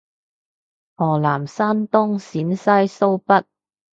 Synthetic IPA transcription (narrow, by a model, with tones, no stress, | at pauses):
hɔː˨˩laː˨˩msaː˥nt̪ʊ˥ŋsiː˨˥nsɐ˥jso˥wpɐ˥t̚